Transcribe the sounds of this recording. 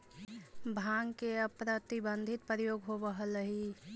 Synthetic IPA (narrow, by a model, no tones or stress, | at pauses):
bʱãŋkeəpɾət̪ibənd̪ʱit̪̚pɾjoːɡɦobəɦələɦi